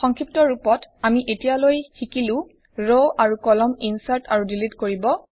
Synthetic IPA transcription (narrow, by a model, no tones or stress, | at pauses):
xɔŋkʰɹip̚tɔɹupɔtamiʔetijalojxikilʊ̃ | ɹoʔaɹukɔlɔminsaɹtaɹudilitkoɹibɔ